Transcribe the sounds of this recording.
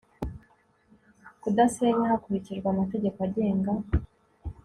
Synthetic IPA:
kudaseɲahakuɾiciʒɡwamate̞ɟe̞koaɟe̞ːŋɡa

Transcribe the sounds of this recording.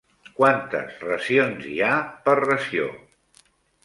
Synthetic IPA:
kwant̪ə̰zrəzionziapərrəsio̰

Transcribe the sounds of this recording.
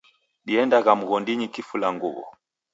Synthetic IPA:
ɗiɛndaɣamuɣɔndiɲikifulaŋɡuβɔ̰

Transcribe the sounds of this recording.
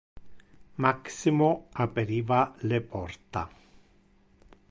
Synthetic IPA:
maksimoapeɾiːvalepɔrt̪a̰

